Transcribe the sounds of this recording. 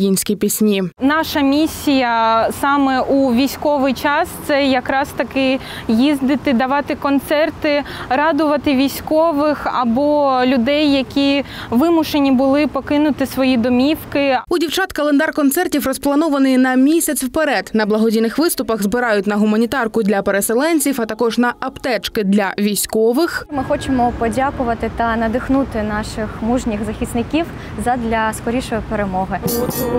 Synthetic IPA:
inʲsʲkʲipʲisʲnʲinɑʃɐmʲisʲːijɐsɑmɛʔuʋʲijsʲkɔʋɪjt͡ʃɑst̪sɛjɐkɾɑst̪ɐkɪ | jizd̪ɪt̪ɪd̪ɐʋɑt̪ɪkɔnt̪sɛrt̪ɪɾɑd̪ʊʋɐt̪ɪʋʲijsʲkɔʋɪxɐbɔlʲʊd̪ɛjːɐkʲi | ʋɪmʊʃenʲibʊlˠɪpɔkɪnʊt̪ɪsʋɔjid̪ɔmʲiwkɪudʲiwt͡ʃɑt̪kɐlˠend̪ɑrkɔnt̪sɛrtʲiwrɔsplˠɐnɔʋɐnɪjnɐmʲisʲɐt͡sʲwpeɾɛd̪nɐblˠɐɦɔdʲijnɪxʋɪst̪ʊpɐɣzbɪɾɑjʊtʲnɐɦʊmɐnʲit̪ɑrkʊd̪lʲɐpeɾeselˠɛnʲt͡sʲiwɐt̪ɐkɔʐnɐʔɐpt̪ɛt͡ʃkɪd̪lʲɐʋʲijsʲkɔʋɪxmɪxɔt͡ʃemɔpɔdʲakʊʋɐt̪ɪt̪ɐnɐd̪ɪxnut̪ɪnɑʃɪxmuʒnʲixzɐxʲisnɪkʲiw | zɐd̪lʲɐskɔɾʲiʃɔjɔpeɾemɔɦɪ

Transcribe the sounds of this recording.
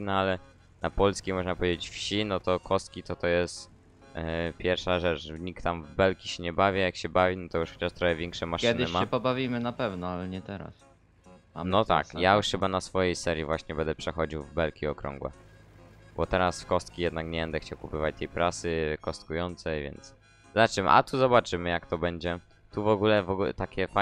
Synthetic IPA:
naalɛ | napɔlskʲimɔʐnapɔvʲjed͡ʑet͡ɕfɕinɔt̪ɔkʰɔst̪̚kʲit̪ɔt̪ɔjɛst̪ | pʲjɛɾfʂaʐɛt͡ʂɲik̚t̪ːamvbɛlkʲiɕɛɲɛbavʲjajakɕɛbavʲinɔt̪ɔjuʂxɔt͡ɕaʂt̪ɾɔxɛvʲjɛŋkʂɛmaʂɛdnɪɘmaɛpɔbavʲimɘnapɛvnɔalɛɲɛt̪ɛɾa̰s | anɔt̪a̰kjajuʂxɘbanasfɔjejsɛɾʲjivwaɕɲɛbɛnd̪ɛpʂɛxɔd͡ʑiwvbɛlkʲiɔkɾɔ̰ŋɡwɛ̰ | b̥ɔt̪ɛɾasfkɔst̪̚kʲijɛd̪nakɲɛbɛnd̪ɛxt͡ɕawkupɘvat͡ɕt̪ɛjpɾʔasɘkɔst̪̚kujɔnt̪sɛjvʲɛ̰nt̪s | zat͡ʂɘmʔa̰t̪uzɔbat͡ʂɘmɘjakt̪ɔbɛɲd͡ʑɛ | t̪uvɔɡulɛvɔɡ̰t̪akʲɛfa

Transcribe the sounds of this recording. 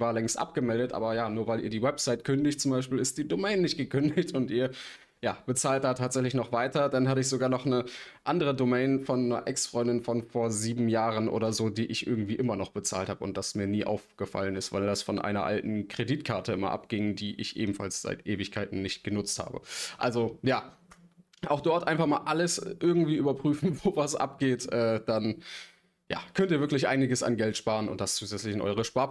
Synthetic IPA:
vaːɐlɛŋstʔa̰p̚ɡ̥əmɛldətʔa̰ːbɐjaːnuːɐvaɪliːɐdiːwɛpz̥aɪtkʰʏndɪçt̚t͡sʊmbaɪʃpiːlɪst̚d̥iːdomɛɪnːɪçt̚ɡ̥əkʰʏndɪçtʊntʔiːɐ | jaːb̥ət͡saːlt̚d̥aːtʰaːtz̥ɛçlɪçnɔχv̥aɪtɐdanhatəɪç̬z̥oɡaːɐnɔχnəʔandəʁ̞ədomɛɪnfɔnːɐ̰ʔɛksfʁ̥ɔʏndɪnfɔnfoːɐziːbm̩jaːʁənʔo̰ːɾɐzoːdiːʔɪçʔɪ̰ɐɡŋ̩tv̥iːʔɪmɐnɔχb̥ət͡sa̰ːlthaːbəʊnt̚d̥asmiːɐniːʔa̰ʊfɡ̥əfa̰lənɪstv̥aɪldasfɔnʔa̰ɪnɐ̰ʔa̰ltn̩kʁ̥ediːtkʰaɐtʰəɪmɐʔa̰pɡ̥ɪŋdiːʔɪ̰çʔḛːbm̩falsz̥a̰ɪtʔeːvɪçkʰaɪtn̩nɪçtɡ̥ənʊt͡stha̰ːbə̰ʔalzojaː | ʔaʊxd̥ɔɐtʔaɪnfaχmaːlʔaləsʔɪɐɡŋ̩tv̥iːʔyːbɐpʁ̥yːfn̩voːvasʔa̰p̚ɡ̥eːtʔɛːd̥an | ja̰ːkʰœntiːɐvɪɐklɪçʔa̰ɪnɪɡəsa̰nɡɛltʃpaːʁənʊ̰nt̚d̥ast͡suːzɛt͡slɪçɪnʔɔ̰ʏʁ̞əʃpaɐ

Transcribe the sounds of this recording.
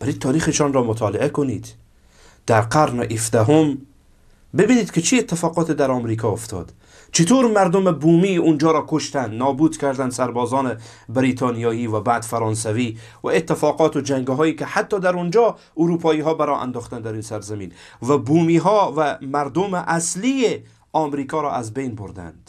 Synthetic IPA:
b̥æɾid̪t̪ʰːɒːɾiχeʃɔnɾɔmot̪ʰɒːleʔekonid̪ | d̪̥æɾqaɾnʔifd̪æɦom | bebiːniːd̪kʰet͡ʃʰiet̪ːɪfɒːqɔːt̪ʰed̪æɾɒmɾikʰɔoft̪ʰɔ̰d̪ | t͡ʃʰit̪ʰoɾmæɾd̪omebumiund͡ʒɒːɾɔkʰoʃt̪ænd̪nɒːbuːd̪kʰæɾd̪ænd̪sæɾbɔzɔːnebɾit̪ʰɔnijɔjivæbad̪fæɾɔnsævi | væ̰et̪ːɪfɔqɔːt̪ud͡ʒæŋɡɦɔːikihat̪ːɔd̪æɾund͡ʒɔ | uɾupʰɔːiɦɔːbæɾɔʔa̰nd̪ɔχt̪and̪æɾinsæɾzaminvæbumiɦɔvæmæɾd̪umɪʔaslie | ɒmɾikʰɔɾɔ̰ʔazbejnboɾd̪æ̰nd̪̥

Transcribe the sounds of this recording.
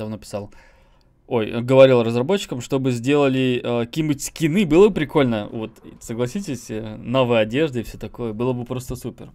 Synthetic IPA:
d̪ɐvnopʲɪ̥sɑlˠ | o̞jə̰ɡəvɐɾʲilˠrəzrɐbo̞t͡ɕːɪ̥kəmʂt̪o̞bɨzʲdʲe̞lˠəlʲɪəkkʲibutʲsʲkʲɪnɨbɨlˠəbɨpɾʲɪko̞lʲnəvo̞t̪səɡlˠɐsʲitʲɪsʲnovɨjɐdʲe̞ʐd̪ɨɪfʲsʲɵt̪ɐko̞jəbɨlˠəbɨpɾo̞st̪əsupʲɪr

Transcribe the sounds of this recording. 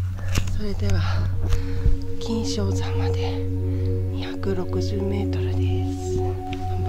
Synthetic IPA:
so̞ɾe̞d̪e̞βa | kʲĩɰ̃ɕo̞ːzãmad̪e̞ | ɲiçakɯ̟ɾo̞kɯ̟ʑɨːme̞ːt̪o̞ɾɯ̟d̪e̞sɨ̥

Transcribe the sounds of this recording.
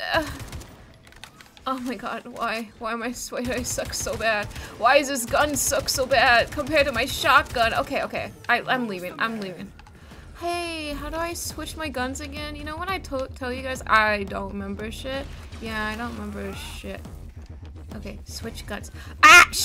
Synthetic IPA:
ʌ | oʊmaɪɡɑ̰d̥̚wa̰ɪwaɪə̃maɪswaɪɾɨaɪsʌksoʊbæd̥̚waɪɨzðɪs̬ɡ̥ʌ̃nsʌksoʊbæd̥̚kʰə̃mpʰɛɹd̚tɨmaɪʃɑk̚ɡ̥ʌ̃no̰ʊkʰeɪoʊkʰeɪʔaɪʔã̰ɪ̃mlivɪ̃ŋʔã̰ɪ̃mlivɪ̰̃ŋ | heɪɦaʊɾəaɪswɪt͡ʃmaɪɡʌ̃nzɨɡɛ̃njɨnoʊwə̃ñaɪtʰotʰɛlˠjɨɡaɪza̰ɪdõʊ̃nʔɹɨmɛ̃mbə˞ʃɪt̚jæaɪɾõʊ̃n̚ʔɹɨmɛ̃mbə˞ɨʃɪ̰t̚ | ʔoʊkʰeɪswɪt͡ʃɡ̥ʌ̰̃nz̥ | æʃ

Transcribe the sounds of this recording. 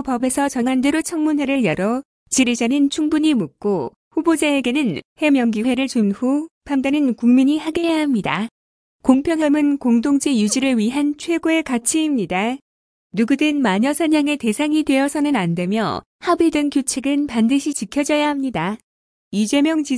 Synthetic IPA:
pʌbe̞sʰʌt͡ɕʌŋandeɾot͡ɕʰʌŋmunɦe̞ɾɯɭjʌɾʌ | t͡ɕiɾid͡ʑanint͡ɕʰuŋbuɲimuk̚k͈o | ɸubod͡ʑaeɡe̞nɯnhe̞mjʌŋɡiwe̞ɾɯɭt͡ɕonhupʰamdanɯnkuŋmiɲihaɡe̞jahamɲida̰ | koŋpʰjʌŋɦamɯnkoŋdoŋd͡ʑijud͡ʑiɾɯɭɥiɦant͡ɕʰwe̞ɡoe̞kat͡ɕʰiːmɲida | nuɡudɯnmaɲʌsʰʌɲaŋe̞te̞sʰaŋidwe̞ʌsʰʌnɯnande̞mjʌ | habidɯŋkjot͡ɕʰeɡɯnpandɯɕʰit͡ɕikʰjʌd͡ʑʌjahamɲida | id͡ʑe̞mjʌŋt͡ɕi

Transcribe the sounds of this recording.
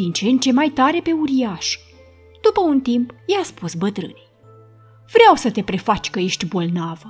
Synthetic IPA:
int͡ʃe̞nt̪̚t͡ʃe̞majt̪aɾe̞pe̞uɾiaʃ | d̪̥upəunt̪impjeaspusbət̪ɾɨ̰ne | v̥ɾeawsət̪e̞pɾe̞fat͡ʃʲkəje̞ʃt̪ʲbo̞lnavə

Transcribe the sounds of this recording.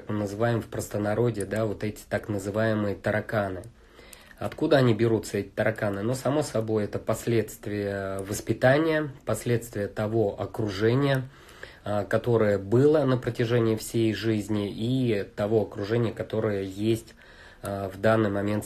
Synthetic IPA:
akmɨnəzɨvajɪmfpɾəst̪ənɐɾo̞dʲɪd̪avo̞t̪ɛtʲɪ̥t̪aknəzɨvajɪmɨjət̪əɾɐkanɨ | ɐt̪kud̪əɐnʲibʲɪɾut̪səɛtʲɪ̥t̪əɾɐkanɨno̞sɐmo̞sɐbo̞jɛt̪əpɐsʲlʲe̞t̪st̪vʲɪjəvəspʲɪt̪anʲɪjəpɐsʲlʲe̞t̪st̪vʲɪjət̪ɐvo̞ʔɐkɾʊʐɛnʲɪjə | kɐt̪o̞ɾəjəbɨlˠənəpɾətʲɪʐɛnʲɪɪfsʲejʐɨzʲnʲɪit̪ɐvo̞ɐkɾʊʐɛnʲɪjəkɐt̪o̞ɾɨjəjesʲtʲː | vd̪anːɨjmɐmʲe̞nt̪

